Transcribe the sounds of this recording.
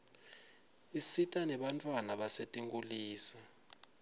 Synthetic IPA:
isitʼanɛɓantʼwanaɓasetʼiŋɡuliːsa

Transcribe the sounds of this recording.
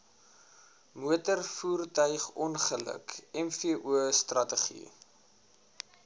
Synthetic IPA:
muətərfuːrtœɥχɔnχələ̰kɛmfiəʔuəstrɐtəχḭ

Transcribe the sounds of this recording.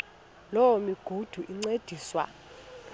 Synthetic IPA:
lɔwɔmiɡ̥ʱud̥ʱuʔiŋ͡ǀed̥ʱiːswa̰

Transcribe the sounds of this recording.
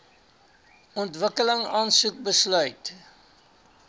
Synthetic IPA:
ɔntvəkələŋɑːnsuk̚bəslœɥt

